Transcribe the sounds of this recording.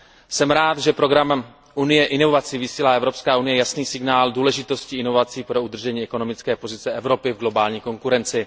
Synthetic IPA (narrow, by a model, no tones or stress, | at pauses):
sɛmɾaːt̪ʒɛpɾo̞ɡɾam | ʔunɪjɛʔɪno̞vvat͡sɪvisiːlaːɛvɾo̞pskaːunɪjɛjasniːsɪɡnaːlduːlɛʒɪt̪o̞sciɪno̞vat͡siːpɾo̞ud̪r̩ʒɛɲiːɛko̞no̞mɪt͡skɛːpo̞zɪt͡sɛʔɛvɾo̞pɪvɡlo̞baːlɲiːko̞ŋkuɾɛnt͡sɪ